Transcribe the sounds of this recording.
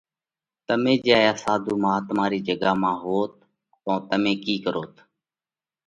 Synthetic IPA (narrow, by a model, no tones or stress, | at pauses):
t̪əmẽːd͡ʒaːaːsãːd̪ʱuːmãːt̪maːɾiːd͡ʒəɡaːmãːɦoːt̪̚ː | õːt̪əmẽːkiːkəɾoːt̪